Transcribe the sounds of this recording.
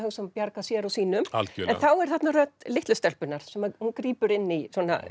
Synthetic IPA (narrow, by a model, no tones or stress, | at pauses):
hœŋsɛmpjaɾkasjɛːɾawsiːnʏma̰lcːɛnθawɛɾ̥θɛt̪narœt̪lɪht̪lʏst̪ɛlpʏnaɾ̥sɛmahunkɾiːpʏɾɪnːisɔːna̰